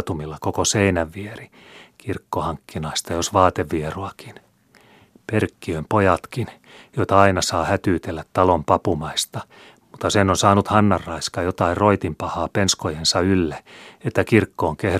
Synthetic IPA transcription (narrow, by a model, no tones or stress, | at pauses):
t̪umilːɑkokoseinæʋːieri | kirkːohɑŋkːinɑist̪ɑjosʋɑːt̪eʋːieroɑkin | perkːiømpojɑt̪kin | joit̪ɑɑinɑsɑːhæt̪yːt̪elːæt̪tɑlompɑpumɑist̪ɑ̥ | mut̪ːɑsenːonsɑːnut̪hɑnːɑrːɑiskɑjot̪ɑirro̞it̪impɑhɑːpenskojensɑylːeet̪ːækirkːoːŋkeh